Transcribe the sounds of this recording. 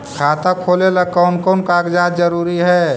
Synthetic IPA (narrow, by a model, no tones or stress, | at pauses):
kʰaːt̪akʰoːleləkankɔːnkaɡd͡ʒaːd̪d͡ʒəɾuːɾiɦɛː